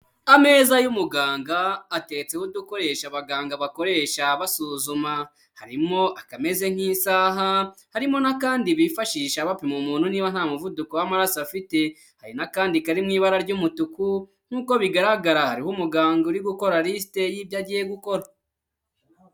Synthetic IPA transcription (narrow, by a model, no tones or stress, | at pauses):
ame̞ːzajumuɡaːŋɡaːte̞t͡sewuduko̞ɾe̞ʃaβaɡaːŋɡaβako̞ɾe̞ʃaβasuːzuma | haɾimo̞ʔakame̞ze̞ŋ̥hiːnsaːɦahaɾimo̞nakaːndiβifaʃiːʃaβapimumuːn̥huniːβan̥haːmuvudukowamaɾasafite̞ | haɾinakaːndikaɾimŋiːβaɾaɾɟumutuku | ŋ̥huːko̞βiɡaɾaɡaɾahaɾihomuɡaːŋɡauɾiɡuko̞ɾaɾis̬te̞jiːbjaɟije̞ɡuko̞ɾa